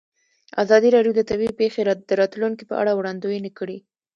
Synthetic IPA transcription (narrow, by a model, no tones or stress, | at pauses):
azɑd̪iɾɑɖjod̪ət̪awipexeɾd̪̥əɾɑt̪luŋkipə̰ʔa̰ɽawɽɑnd̪ujenəkəɽi